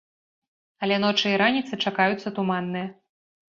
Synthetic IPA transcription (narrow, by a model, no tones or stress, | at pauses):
ɐlʲɛnɔt͡ʂɨiɾanʲit̪sɨt͡ʂakajut̪sːɐt̪umanːɨjɐ